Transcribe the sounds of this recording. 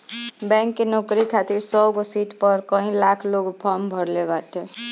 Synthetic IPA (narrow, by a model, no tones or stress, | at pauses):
bɛ̃ŋkːenɔkɾikʰat̪iɾsɔɡosiʈʰpəɾkə̃ɦĩlakʰloɡpʰɔmbʱəɽlebaʈ̪ʰe